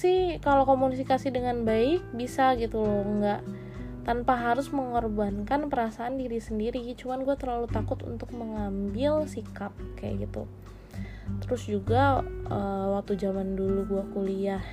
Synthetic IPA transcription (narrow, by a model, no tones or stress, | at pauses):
sɪhkalokomunifikasidəŋanbaɪk̚bisaɡit̪uŋɡaʔ | t̪anpaɦaɾʊsməŋɔrbankanpəɾasaːndiɾisəndiɾit͡ʃumanɡuat̪ərlalut̪akʊt̪ṵnt̪ʊk̚məŋambɪlsikap̚kaja̰ɡit̪ṵ | t̪əɾʊsd͡ʒuɡaəwak̚t̪ud͡ʒamanduluɡuakuliah